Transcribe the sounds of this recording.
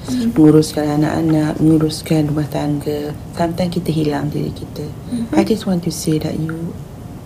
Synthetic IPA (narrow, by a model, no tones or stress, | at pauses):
məŋuɾʊskananã̰ʔa̰nãʔ̚məŋuɾʊskandumaht̪aŋɡəsamt̪amkit̪əɦilamdḭɾḭkit̪ə | ajd͡ʒaswɔntuseda̰ʔju